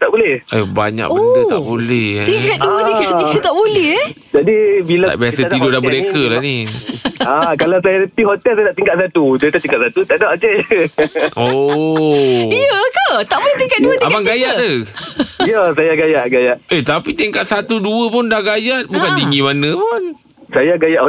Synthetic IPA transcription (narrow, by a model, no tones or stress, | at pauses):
t̪aʔbolɛhʔeba̰ɲa̰ʔoəndət̪a̰ʔbolɛh̪iŋkat̪duəiət̪aʔbolɛh | d͡ʒadibilata̰ʔbijasət̪idodabəɾekəlahni | akalawsajaləpiɦot̪ɛlsajadaʔt̪iŋɡkaʔ̚sat̪udət̪aʔt̪iŋkaʔ̪sat̪ut̪aʔdaʔkɛ | ʔo | iəkat̪aʔbolɛht̪iŋkat̪̚duəiamaŋɡajaʔə | ijəs̬ajaɡajaʔɡajaʔet̪apit̪iŋkaʔsat̪uduəpʊndahɡajaʔ̚bukandiŋimanə̃pʊn | sajaɡajaʔ